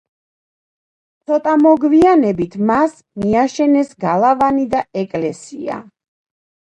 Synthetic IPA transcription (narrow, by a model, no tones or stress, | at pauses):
t̪sʰɔt̪ʼamɔɡvianɛbit̪ʰmas | miaʃɛnɛsɡalˠavanid̪aɛkʼlɛsia̰